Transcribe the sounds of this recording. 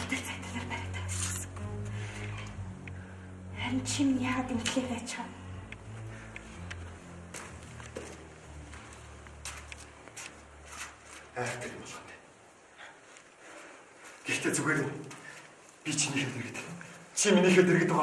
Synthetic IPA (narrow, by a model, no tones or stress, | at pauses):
t̪ɘ̆ɮt͡sʰækʲt̪ʰə̆ɮə̆rpæɾʲə̆k̚t̪ʰast͡ɕɪ̥̆χsə̥̆ŋɡ | æɾʲɪ̆nt͡ɕʰimjaːʁəːt̪em̥t̪ɮeːpæːt͡ɕχə̆n | æːr̥t̪ʰeɾʲmɔɮʁə̆nt̪ʰe̥ | ɡ̥ext̪eːt͡suɣeːɾĕːn | pʲit͡ɕʰiniːxeːt̪eɾɘ̆kt̪ɘ̆t͡ɕʰiminiːxeːt̪eɾɘ̆k̚t̪ʊʁ